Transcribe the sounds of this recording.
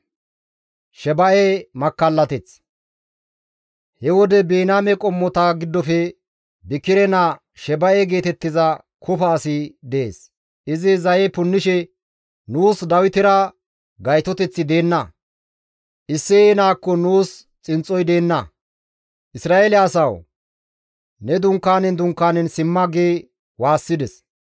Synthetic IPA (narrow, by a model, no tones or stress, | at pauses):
ʃɛbɐʔemɐkːɐlːɐt̪ɛt͡s | hɛwɔd̪ɛbeːnaːmɛkʼɔmːɔt̪ɐɡɪd̪ːɔfɛ | bɪkːɪɾɛna | ʃɛbɐjɛɡe̞ːt̪ɛt̪ːɪzɐ | kʰʊfɐːsɪd̪eḛːs | ʔɪzɪzɐjɛpʊnːɪʃɛ | nuːsd̪ɐwɪt̪ɪɾɐ | ɡɐjt̪ɔt̪ɛt͡sːɪd̪e̞ːnːɐ | ʔɪsːɪːnaːkːɔnuːs | t͡sʼɪnt͡sʼːɔjd̪e̞ːnːɐ | ʔɪsɾaːelɪɐsɐw | nɛd̪ʊŋkːaːnɛnd̪ʊŋkːaːnɛnsɪmːɐɡeː | waːsːɪd̪ɛs